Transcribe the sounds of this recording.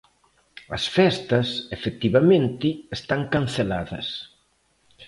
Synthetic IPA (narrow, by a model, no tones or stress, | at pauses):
ɐ̰sfɛst̪ɐsefek̚t̪iβamẽnt̪ɪest̪aŋkan̟θelaðɐ̰s